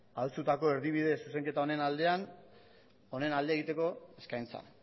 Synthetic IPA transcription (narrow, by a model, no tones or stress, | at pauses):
alt͡sut̪ako̞e̞ɾðiβ̞ið̞e̞suse̞ŋke̞t̪ao̞ne̞nald̪e̞an | o̞ne̞nald̪eɣ̞it̪e̞ko̞e̞skajnt͡sa̰